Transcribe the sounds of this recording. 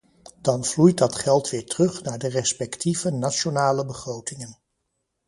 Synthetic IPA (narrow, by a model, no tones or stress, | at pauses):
d̥ɑnv̥lujt̚dɑtχɛlˠtʋɪːɹtərɵχnaːɹdərɛspɛktʰivənat͡ʃonaːləbəχrowtɪŋən